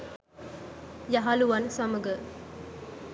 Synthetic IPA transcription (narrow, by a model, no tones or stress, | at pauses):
jaɦaluʋɐnsɐməɡə